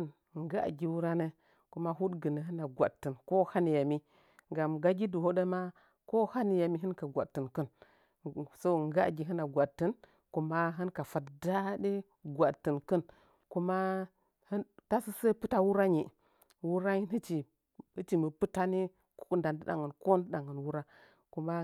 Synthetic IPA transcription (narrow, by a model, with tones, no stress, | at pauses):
n˨ | ŋ˦ɡa̰˦˨ɡʲi˨wu˦ɾa˦ne˦ | ku˦ma˦ɦu˦tɡə˨nə˨ɦɨ˦na˨ɡʷa̰˨dtːə˨nko˦ha˦ni˨ja˨mi˦ | ŋɡa˨mɡa˦ɡi˦du˨ho˦ɗe˦ma˦ | ko˦ha˦ni˨ja˨mi˦ɦɨ˦nka˨ɡʷa˨ttːə˨nkə˦n | so˦˨ŋ˦ɡa˦˨ɡʲi˨ɦɨ˦na˨ɡʷa˨dtːə˦n | ku˨˦ma˦ɦɨ˦nka˨fa˦tda˦ɗe˦ | ɡʷa˨tːə˨nkə˦n | ku˦ma˦ | hə˦nta˦si˦se˦pɨ˦ta˦wu˦ɾa˦ɲi˨ | wu˦ɾa˦ɲi˦nə˦t͡ʃi˨ | ɨ˦t͡ʃi˨mə˨pɨ˦ta˦ni˦ | ku̥˦knda˨ndɨ˦da̰˨ŋə˨nko˦ndɗa˨ŋə˨nwu˦ɾa˦ | ku˦ma˦